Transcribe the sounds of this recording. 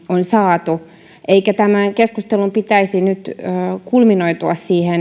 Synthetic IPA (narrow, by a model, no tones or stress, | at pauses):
onsɑːt̪u | ʔeikæt̪æmæŋkeskust̪elumpit̪æisinyt̪ːkulminojt̪uɑssiːhen